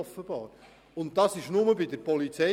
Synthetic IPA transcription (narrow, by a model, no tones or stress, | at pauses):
ɔfəb̥ɑːɾ | ʊnt̚tɑsɪʃnʊməbɪdəɾpɔlit͡sɛ